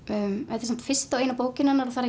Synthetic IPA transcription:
ʏmɛt̪ɪ̥ɾsɛm̥t̪fɪr̥st̪aweːjnapoːwcɪnanːaɾɔθaɾa

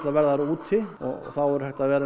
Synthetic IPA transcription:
t̪avɛɾðaɾuːt̪ʰːɪɔ̰ɣ̰θawɔɾhɛjht̪aðvɛːɾa

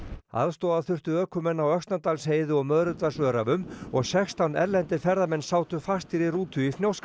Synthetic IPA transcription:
a̰ðst̪oːðaθʏr̥t̪ʏœːkʏmɛnːawœkst̪nat̪alsheːjðʏɔɣmœðɾʏt̪asœːɾavʏmɔɣsɛxst̪ʰawnɛɾlɛnt̪ɪɾfɛɾðamɛnsaːwt̪ʏfast̪iɾiruːt̪ʰʏifnjowsk

